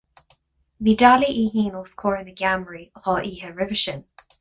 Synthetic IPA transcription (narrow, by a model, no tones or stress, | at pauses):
ðidaliʔiːɦiːnəlˠskʰɔːɹɪ̃nðəɡaməɹiʁɔʔiːhəɹɪvəʃə̃n